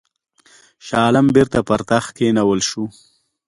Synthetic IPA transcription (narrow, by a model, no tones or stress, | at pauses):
ʃɑːlambɪɾt̪apaɾt̪axkenawəlʃu